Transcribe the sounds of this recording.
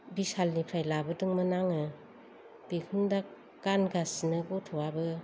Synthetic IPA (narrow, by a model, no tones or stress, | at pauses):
bisalnipʰɾajlabɯdɯŋmɯnaŋɯ | b̥ikʰundak | ɡ̥anɡasinɯɡɔtʰɔwabɯ